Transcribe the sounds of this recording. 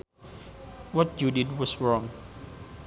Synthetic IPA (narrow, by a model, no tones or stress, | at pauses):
wɔt̚judid̚wɔsɹɔ̃ŋ